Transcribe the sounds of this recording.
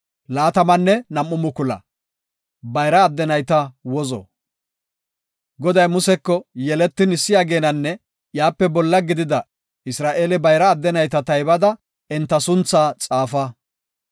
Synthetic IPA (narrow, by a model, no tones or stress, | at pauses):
laːt̪ɐmɐnːɛnɐmːʊmʊkʊlɐ̰ | bɐjɾɐːd̪ːɛnɐjt̪ɐwɔzɔ̰ | ɡɔd̪ɐjmʊsɛkːɔjɛlɛt̪ːɪnɪsːɪjaːɡe̞ːnɐnːɛ | jaːpːɛbɔlːɐɡɪd̪ɪd̪ɐ | ɪsɾaːʔeːlɪbɐjɾɐːd̪ːɛnɐjt̪ɐt̪ɐjbɐd̪ɐ | ɛnt̪ːɐsʊnt͡sːaːt͡sʼaːfɐ